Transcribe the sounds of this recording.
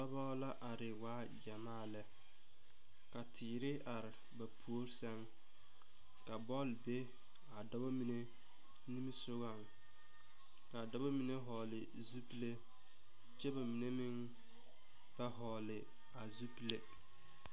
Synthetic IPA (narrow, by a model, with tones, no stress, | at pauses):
dɔ˦bɔ˦la˦ʔa˨ɾɪ˨waː˦ | d͡ʒa˨maː˦˨lɛ˨ | ka˨tʰɪː˨ɾɪ˦a˨ɾɪ˨ | ba˨pʰu˨o˦ɾsɛ˦ŋ | ka˨bɔ˦˨lbe˦ | a˨dɔ˦ba˦mi˨ne˦ | ni˦m˦sʊ˦ɣa˦˨ŋ | ka˨dɔ˦ba˦mi˨ne˦ɦɔː˨lɪ˨ | zu˦ple˦ | t͡ʃɛ˦ba˨mi˨ne˦mɪ˦ŋ | ba˦ɦɔː˨lɪ˨ | a˨zu˦ple˦